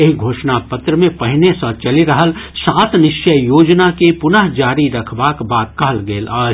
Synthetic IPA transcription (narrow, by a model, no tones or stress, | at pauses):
eɦɡʱoːʃnapɐt̪ɾəmẽpɐɦɪnesɐ̃t͡ʃɐliɾɐɦəlsaːt̪nɪʃjəjoːd͡ʒnakipʊnəɦd͡ʒaːɾiɾɐkʰbaːkbaːd̪̚kəɦəlɡeːlaː